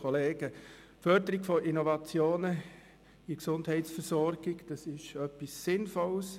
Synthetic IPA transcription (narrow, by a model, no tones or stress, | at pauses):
oleːɡ̥ə | fœɾdəɾiɡfɔʔinɔvɑt͡sjoːnə | iksʊndhɛɪtsfəsɔɾɡ̥ɪɡd̥ɑsɪʃœpːisːɪnfɔls